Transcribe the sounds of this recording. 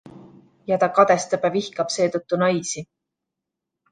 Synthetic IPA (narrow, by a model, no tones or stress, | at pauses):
jɑt̪ɑkɑd̪̥e̞st̪ɤbevihkɑb̥se̞ːt̪ɤt̪ːunɑjsi